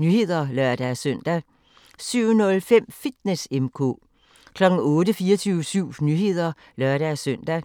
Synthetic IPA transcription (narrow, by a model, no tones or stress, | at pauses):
nyhe̝ð̰ˠɐlɶɐ̰d̥æsœn̰d̥æ | syʊ̰nɔ̽lfem̰fid̥nesemkʰɔ̰ | kʰlɒ̽ɡ̥n̩ɔ̽ːɾəfiːɐt͡sʰyːʊsyʊ̰nyɦe̝ð̞̰ˠɐ | lɶɐ̰ɾ̥æsøn̰d̥æ